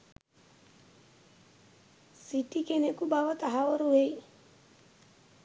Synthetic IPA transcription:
sitikenekubawɔt̪aɦaoɾuwei

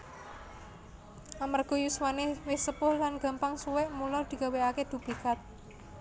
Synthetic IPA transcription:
ʔamarɡ̥ɔ̤juswanewɪsəpʊɾlanɡ̥ä̤mpaŋsuwɛʔmulɔd̪̥i̤ɡ̥a̤weaked̪̥ṳplikat̪̚

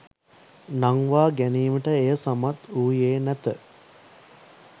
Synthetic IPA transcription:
naŋʋaːɡæniːməʈəejəsamat̪uːjeːnæt̪ə

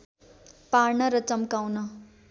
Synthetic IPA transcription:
parnʌɾʌt͡sʌmkawnʌ

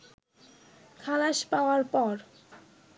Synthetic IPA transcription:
kʰalaʃpaoaɾpɔɾ

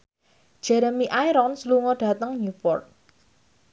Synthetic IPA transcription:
d̥ʒ̥ɛɾəmiʔaiɾɔnsluŋɔɖ̥a̤t̪əŋnupɔ̰rt̪̚

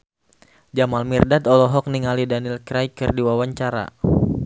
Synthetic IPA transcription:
d͡ʒamalmirdat̪ɔlɔɦɔk̚niŋalidanilkɾajkərdiwawaɲt͡ʃaɾa̰

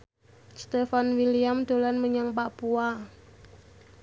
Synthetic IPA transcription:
st̪efanwiliamd̪̥o̤lanməɲaŋpapua

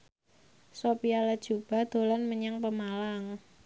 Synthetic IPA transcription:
sopialad̥ʒ̥ṳb̥a̤d̪̥o̤lanməɲaŋpəmalaŋ

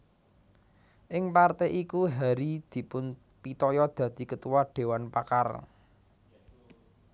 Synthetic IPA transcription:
ʔɪŋpart̪ɛʔikuɦaɾid̪̥i̤pʊn | pit̪ɔjɔd̪̥ä̤d̪̥i̤kət̪uwɔɖ̥e̤wanpaka̰r

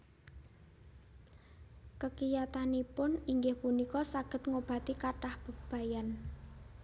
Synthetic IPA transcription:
kəkijat̪anipʊniŋɡɪhpunikɔsaɡ̥ə̤t̪ŋob̥ä̤t̪ikaʈahb̥ə̤b̥a̤jan

